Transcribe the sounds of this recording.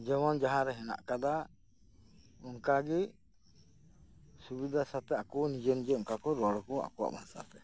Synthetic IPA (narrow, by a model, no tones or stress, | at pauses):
d͡ʒɛmɔnd͡ʒaɦãɾɛɦɛna̰ʔkad̪a | ɔŋkaɡi | subid̪asat̪ɛakɔwnid͡ʒɛnd͡ʒɛɔŋkakɔɾɔwaɽɔkɔa̰kɔwa̰ʔbʱaŋsa̰t̪ɛ